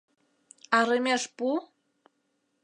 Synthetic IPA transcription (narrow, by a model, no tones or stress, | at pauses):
ɑɾɤmʲeʃpu